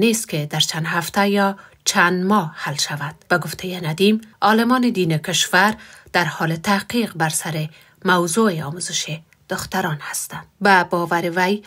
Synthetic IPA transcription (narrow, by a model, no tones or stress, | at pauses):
nest̪̚kɪd̪aɾt͡ʃand̪ɦaft̪ajɒ | t͡ʃʰand̪mɔhalʃavand̪̥b̥aɡʊft̪ʰejɪnad̪imɒlɪmɔnɪd̪inɪkɪʃvaɾd̪̥aɾhɔlɪt̪ahqiqbaɾsaɾɪ | mawzoeɔmuzɪʃe | d̪̥ʊxt̪aɾɔnhast̪and̪babɔvaɾɪwaj